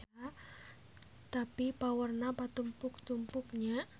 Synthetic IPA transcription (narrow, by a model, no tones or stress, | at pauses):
a | t̪apipawərnapat̪umpʊk̚t̪umpʊkɲa